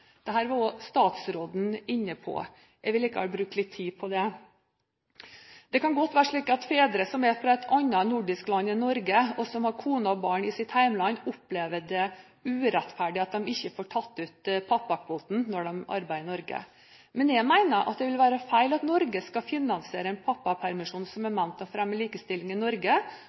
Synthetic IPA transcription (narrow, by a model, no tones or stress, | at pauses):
d̪̥ɛɦæːɾʋɑɾɔst̪ɑːt̪sɾoːd̪n̩ɪnːəpʰɔ̰ | jæʋɪlɪkːəɑbɾʉːk̚t̪lɪt̪ʰːiːpʰɔd̪ɛ | d̪̥ɛkɑnɡɔt̪ːʋæːɾəʂɭiːkɑt̪feːd̪ɾəsɔmɛfɾɑɛt̪ʰɑnːɑnʊɖɪsklɑnːɪnɔɾɡəɔsɔmhɑɾkʰuːnɑbɑːɳɪsɪt̪hæɪmlɑnːʊpleːʋəd̪ɛ | ʉːɾɛt̪fæɖɪɑt̪̚d̪ɛmɪçːəfoːʈʰɑt̪ːʉːt̪pʰɑpːɑkʰʋoːt̪n̩nɔɖɛmɑ̰ɾbæɪənɔɾɡə̰ | mɛnjæɪmæɪnəɾʔɑ̰t̪̚d̪ɛʋɪlʋæːɾəfæɪlɑt̪nɔɾɡəskɑfɪnɑnsɪeːɾəɛnpʰɑpːɑpʰæɾmɪʂuːnsɔmæmæmt̪ɑʋfɾɛmːəliːkəst̪ɪlːɪŋɪnɔɾɡə